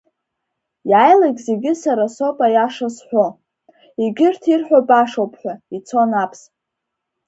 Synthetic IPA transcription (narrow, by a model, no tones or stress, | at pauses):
jajlaɡʲze̞ɡʲɪsaɾaso̞pʼajaʂasħʷᶣo | iɡʲɪrtʰirħʷᶣabʼaʂowpʰħʷᶣait͡sʰo̞napʰs